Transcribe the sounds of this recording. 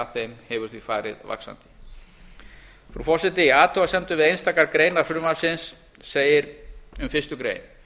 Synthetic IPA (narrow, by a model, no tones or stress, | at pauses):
aθejmhɛvʏ̥θiðfa̰ːɾɪ̰ðva̰ksa̰nt̪ɪ̥ | fɾufɔsɛt̪ɪiaːt̪ʰɔasɛnt̪ʏvɪðejnst̪aːkaɾkɾeːjnaɾ̥fɾʏmḁsɪnsː | eːjɪɾʏmfɪst̪ʏkɾḛːjn